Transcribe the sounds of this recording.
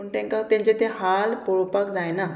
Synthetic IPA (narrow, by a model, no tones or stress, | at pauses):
uɳʈɛ̃ŋkat̪ẽɲt͡ɕet̪ehalpɔɭpakd͡zajna